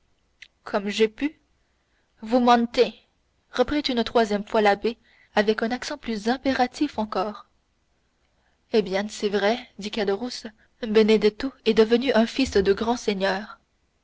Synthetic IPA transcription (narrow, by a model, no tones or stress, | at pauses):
kʰɔmʒepy | vumɑ̃t̪e | ʁəpχit̪ynt̪χwazjɛmfwalabe | avɛkɛ̃naksɑ̃plyzɛ̃peʁat̪ʰifɑ̃kɔːʁ | ebjɛ̃sɛvʁɛd̪ikad̪əʁus | bened̪ɛt̪oɛd̪əvənyʔɛ̃fisd̪əɡʁɑ̃seɲœːʁ